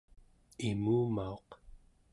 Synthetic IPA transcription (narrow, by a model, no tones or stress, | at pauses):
imuːmao̞q